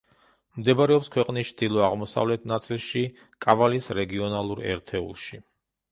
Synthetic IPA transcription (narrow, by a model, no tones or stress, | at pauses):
md̪ɛbaɾɛɔpskʰwɛqʼnist͡ʃʰd̪̥ilˠɔaʁmɔsa̰vlɛt̪̚ʰnat̪sʼilˠʃi | kʼavalisɾɛɡiɔnalˠuɾɛ̰ɾt̪ʰɛṵlˠʃi